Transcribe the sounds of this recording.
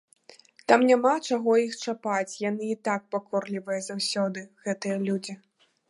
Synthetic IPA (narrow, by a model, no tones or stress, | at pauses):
t̪amnʲamat͡ʂaɣɔjixt͡ʂapat͡sʲjanɨːt̪ak̚pakʰɔrlʲivɐjɐzawsʲɔd̪ɨɣɛt̪ɨjɐlʲud͡zʲi